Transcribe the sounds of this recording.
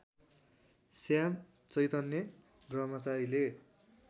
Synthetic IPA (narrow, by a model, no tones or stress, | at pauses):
sjam | t͡sʌjt̪ʌnjʌ | drʌmʌt͡saɾile